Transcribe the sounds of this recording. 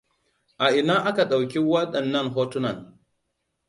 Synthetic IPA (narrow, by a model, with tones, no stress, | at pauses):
ʔa˨ʔɪ˨naː˦ʔa˦ka˨ɗa˨wkʲi˦wɐ˦ɗɐ˨nːɐ˦ŋɦoː˦tʊ˦nɐ˨n